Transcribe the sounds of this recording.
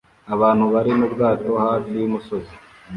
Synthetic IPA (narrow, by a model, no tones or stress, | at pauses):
aβaːn̥huβaɾinubɡaːto̞hafijumuso̞zi